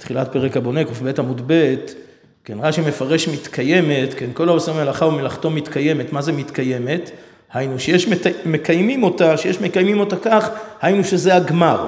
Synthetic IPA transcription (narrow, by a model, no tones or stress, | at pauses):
et̪χilat̚pe̞ʁekabo̞nekufbe̞tamud̪be̞t | kenʁaʃime̞faʁe̞ʃmit̪kʰaje̞me̞tkenko̞laosemelaχaumelaχto̞mit̪kaje̞me̞tmazemit̪kaje̞me̞t | hajnuʃejeʃmekajmimo̞taʃejeʃmekajmimo̞takaχhajnuʃeze̞aɡmaʁ